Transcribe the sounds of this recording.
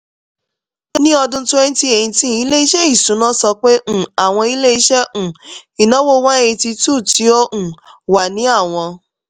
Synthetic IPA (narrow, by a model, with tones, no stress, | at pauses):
o˦nĩ˦ɔ˧dʊ̃˧˦tʊ˦e˦n̩˦ti˦e˨ĩ˧tĩ˦i˦le˦i˦ʃɛ˦i˦˨sũ˨˦nã˦sɔ˧k͡pẽ˦˨a˨w̃ɔ̃˧i˦le˦i˦ʃɛ̃˦˨i˨nɔ̃˨˦wo˦wã˦e˧ti˧tu˦˨ti˨˦o˦ʔũ˨wa˨nĩ˨˦a˦˨w̃ɔ̃˧